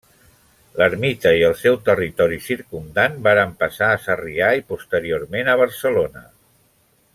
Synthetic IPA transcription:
ləɾmit̪əiəlˠsɛwt̪ərit̪ɔɾisiɾkund̪anbaɾəmpəsaːsəriaipust̪əɾioɾmenəβ̞əɾsəlonə

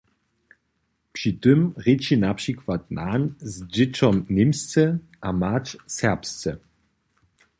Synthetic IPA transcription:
pʂitəmʁet͡ʃinapʂikwat̚naːnzd͡ʒɪt͡ʃɔmnɪmst͡sɛ | ʔamat͡ʃsɛʁpst͡sɛ

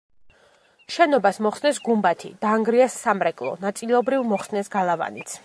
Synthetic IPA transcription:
ʃɛnɔbasmɔχsnɛs̬ɡumbat̪ʰḭd̪̥aːŋɡɾiasːamɾɛkʼlˠɔ̰nat̪sʼilˠɔbɾivmɔχsnɛsɡalˠava̰nit̪sʰ

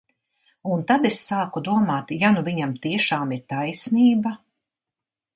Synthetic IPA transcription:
unt̪ad̪esːaːkud̪uɔmaːt̪januviɲamt̪iɛʃaːmiɾt̪ajsniːba

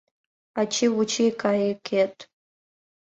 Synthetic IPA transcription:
at͡ʃʰiwut͡ʃʰikʰʼaikʲʰʼetʼ

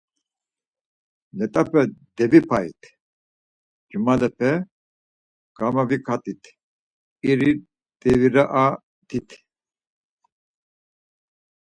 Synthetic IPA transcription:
lɛt̪ʼapʰɛd̪ɛvipʰaḭt̪ʰ | d͡ʒumalɛpʰɛ | ɡ̥amavikʰat̪ʼit̪ʰ | iɾi | d̪ʼɛviɾaʔa | t̪ʰit̪ʰ

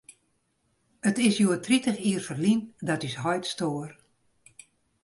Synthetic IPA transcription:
ətɪsjuətʰritəχiːərfərlindɔtysɦɔjtstoːər

